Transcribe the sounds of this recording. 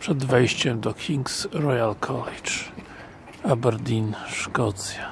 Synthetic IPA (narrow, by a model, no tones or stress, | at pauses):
pʂɛd̪vɛjɕt͡ɕɛmd̪ɔkʲʰiŋksɾɔjalkʰɔlɛt͡ʂ | abɛɾd̪ʲinʂkɔt̪sja